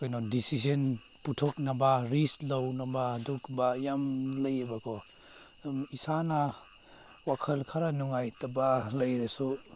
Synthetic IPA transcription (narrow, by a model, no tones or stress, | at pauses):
kajnɔdisizen | putʰɔk̚nabaɾislawnabaːdukbajamləjabakʰɔ | isana | wakʰɐlkʰaɾanuŋajtabalɐjɾesu